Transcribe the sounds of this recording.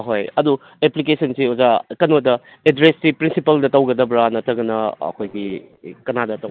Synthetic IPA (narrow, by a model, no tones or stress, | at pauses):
ɦojɐdu | eplik̬esʰɐnsiozakɐnotɐ | edɾessipɾinsipɐldɐtɐwɡɐdɐbɾanɐtʰɐɡɐnɐɐ̰kʰojɡi | kɐnadɐtɐ